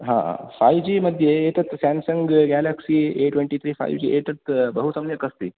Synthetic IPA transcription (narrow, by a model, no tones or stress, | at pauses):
ɦã̰ã̰fajd͡ʑiːməd̪ʱjeːt̪ət̪sæ̃nsəŋɡɡælaksiːeʈwʋeɳʈit̪ʰɾiːfa̰jʋd͡ʑḭːʔet̪ət̪bəɦusɐmjəkəst̪ḭː